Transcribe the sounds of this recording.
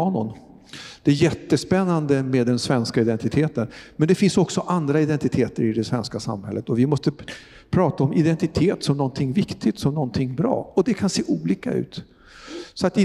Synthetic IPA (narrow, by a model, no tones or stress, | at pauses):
ɑːnʊ̰n | d̪̥ɛæjɛt̪ːəspɛnːand̪əmeːd̪ːɛnsvɛnskaɪd̪ɛnt̪ɪt̪ʰeːt̪ənmɛnd̪ɛfɪnsɔksɔʔand̪ɾaɪd̪ɛnt̪ɪt̪ʰeːt̪əɾɪd̪ɛsvɛnskasa̰mhɛ̰lːət̪ɔvɪmɔst̪ə | pʰɾɑːt̪aɔmɪd̪ɛnt̪ɪt̪ʰeːt̪sɔmnɔnt̪ʰɪŋːvɪkt̪ɪɡt̪sɔmnɔnt̪ʰɪŋːbɾɑ̰ːɔd̪ɛkʰanseːʔuːliːka̰ʉ̟̰ːt̪ | sɔat̪̚d̪ɪ